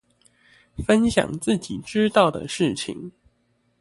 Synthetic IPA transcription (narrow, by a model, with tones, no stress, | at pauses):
fə˦˥nɕjɑ̰˨˩ŋt͡sɹ̩˥˩t͡ɕi˨˩ʈ͡ʂɻ̩˦t̪ɑ˥˩ʊd̪ə̰˩ʂɻ̩˥˩t͡ɕʰḭ˨˩ŋ